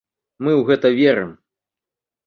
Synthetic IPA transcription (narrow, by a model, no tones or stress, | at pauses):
mɨwɣɛt̪ɐvʲɛɾɨm